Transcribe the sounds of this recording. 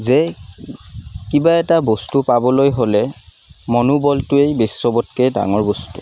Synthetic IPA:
ze | kibaɛtabɔstupabɔlojɦolɛ | mɔnubɔltʊejbesi̥sɔbɔtkeda̰ŋɔɹbɔstṵ

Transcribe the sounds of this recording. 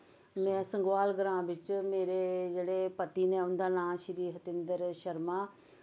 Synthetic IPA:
mɛ̃ːsə̃ŋɡʋaːlɡɾãːbɪt͡ʃmeːɾeːd͡ʒeːɽeːpət̪iːnẽːʊnd̪aːnãːʃɪɾiːɦət̪ɪnd̪əɾʃəɾmãː

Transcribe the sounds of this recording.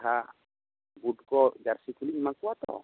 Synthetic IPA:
ɦa | bud̚kɔd͡ʒarsikulimakuat̪ɔ̰

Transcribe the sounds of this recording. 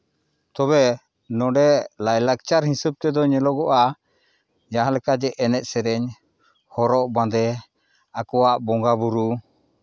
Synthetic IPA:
t̪ɔβɛ | nɔɖɛlajlak̚t͡ʃaɾhĩsub̚t̪ɛd̪ɔɲɛlɔɡɔʔa | d͡ʒaɦãlɛkad͡ʒɛʔɛnɛʔ̪sɛɾɛɲ | hɔɾɔʔbãd̪ɛ | akɔwaʔbɔŋɡabuɾu

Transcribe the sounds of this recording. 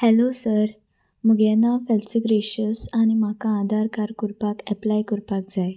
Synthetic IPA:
hɛlosəɾ | məɡɛnafɛlsiɡɾeɕəsañim̤akaãd̪ʱaɾkaɾkuɾpakɛplajkuɾpak̚d͡zaj

